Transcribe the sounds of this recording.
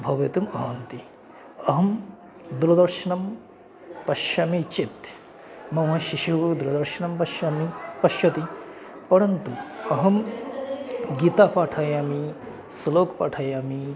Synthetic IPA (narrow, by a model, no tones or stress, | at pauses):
bʱɐʋet̪umɐɦaːnt̪i | ɐɦɐm | d̪uɾɐd̪ɐɾʃɐnɐm | pɐʃjaːmit͡ʃit̪ | mɐmɐʃiʃuʋd̪uɾɐd̪ɐɾʃɐnɐmpɐʃjaːmipɐʃjɐt̪ipɐɾɐnt̪uɐɦɐm | ɡiːt̪aːpaːʈʰaːjaːmi | sɐloːkpaːʈʰaːjaːmi